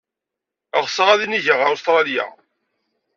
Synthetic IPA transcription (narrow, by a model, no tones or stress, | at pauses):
əʁsəʁæðiniʝəʁaɾst̪ɾˤɑðja̰